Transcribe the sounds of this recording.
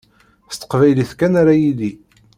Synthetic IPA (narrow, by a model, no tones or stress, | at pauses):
θst̪ːə̥qvæjliθkænaɾajili